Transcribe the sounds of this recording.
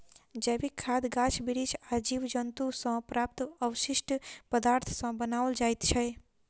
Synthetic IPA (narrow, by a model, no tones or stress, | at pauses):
d͡ʒɛbikʰːad̪ɡat͡ʃʰbiɽit͡ʃʰad͡ʒiʋd͡ʒənt̪usə̃pɾaːp̚t̪əʋʃiʃʈpəd̪aɾt̪ʰsə̃bənaːʋəld͡ʒaːjt̪t͡ʃʰɛj